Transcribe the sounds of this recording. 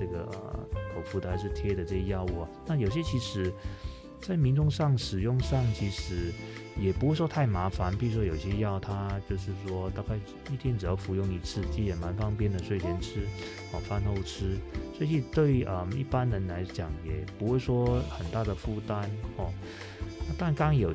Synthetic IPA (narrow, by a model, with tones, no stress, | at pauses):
ʈ͡ʂɤ˥˩ɡə̰˩ʔə̰˧˩t̪ʰo˨˩ʊfu˧˥t̪ʰa˧˥ɪʂ̬ɻ̩˥˩t̪ʰjɛ˥d̪ə˨ʈ͡ʂɤ˥˧ɕə˧jɑ˥˧ʊu˥˩ɐ˩na˥˩jo˨˩ʊɕjɛ˥t͡ɕʰi˧˥ʂɻ̩˧˥˦ | t͡sa˥˩ɪmi˧˥nʈ͡ʂʊ˥˧ŋʂɑ˥˩ŋʂɻ̩˨˩jʊ˥˧ŋʂɑ˥˩ŋt͡ɕʰi˧˥ʂɻ̩˧˥jɛ˨˩pu˧˥xe˥ɪʂwɔ˥t̪ʰa˥˩ɪma˧˥fa˧˥npi˧˥˩ɻu˥˩wɔ˥jo˨˩ʊi˩ɕjɛ˥jɑ˥˩ʊt̪ʰa˥t͡ɕjo˥˧ʊʂɻ̩˥˩ʂwɔ˥t̪a˥˧ka˥˩ɪ | i˥˧t̪ʰjɛ˥˩nʈ͡ʂɻ̩˨˩jɑ˥˩ʊfu˧˥jʊ˥˧˩ŋi˧˥t͡sʰɹ̩˥˩t͡ɕi˧˥jɛ˨˩nma˧˥nkɑ˥ŋpjɛ˥˧nd̪ə˨˩ʂwe˥˩ɪt͡ɕʰjɛ˧˥nʈ͡ʂʰɻ̩˥ | xɔ˥˩fa˥˧nxo˥˩ʊʈ͡ʂ̩ʰ˥sɔ˧˥i˨˩t̪we˥˩ɪə˨˩mḭ˥˩pa˥nɻə˧˥nla˧˥ɪt͡ɕjɑ˨˩˦ŋjɛ˨˩pu˧˥xwe˥˧ɪʂwɔ˥xə˨˩nt̪a˥˩d̪ə˩fu˥˧t̪a˥nɔ˥˩ | na˥˧t̪a˥˧nkɑ˥ŋjo˨˩